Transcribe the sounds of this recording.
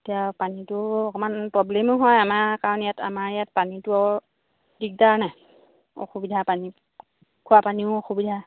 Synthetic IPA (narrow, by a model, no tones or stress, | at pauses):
etijapanitʊɔkɔmanpɹɔblemʊɦɔjamaɹkaɹɔnjatʰa̰maɹjat̚panitʊɔ | dik̚danaj | ɔ̰xubidʱapani | kʰʊapaniʊɔxubidʱa